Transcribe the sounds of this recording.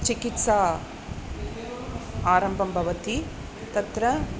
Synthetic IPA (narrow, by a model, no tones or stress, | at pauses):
t͡ʃikit̪sa | aːɾɐmbʱɐmbʱɐʋɐt̪i | t̪ɐt̪ɾɐ